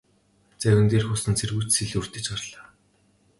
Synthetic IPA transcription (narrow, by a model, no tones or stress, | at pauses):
t͡sæɣʲɘ̆nt̪eːrxʊsɘ̆nt͡sʰerɣujʰt͡ɕsiɮur̥t̪ɘ̆t͡ɕɢarɮaː